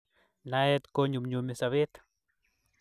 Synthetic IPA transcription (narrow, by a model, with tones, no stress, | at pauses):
nae˦t̪ko˦ɲu˨mɲu˨mi˨saβe˦t̪